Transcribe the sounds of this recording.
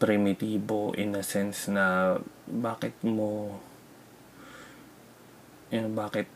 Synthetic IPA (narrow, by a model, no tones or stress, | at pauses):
pɾɪmɪt̪iːboʔɪ̰nɐsɛnsnɐ | baːkɪt̪mo | onbaːkɪt̪̚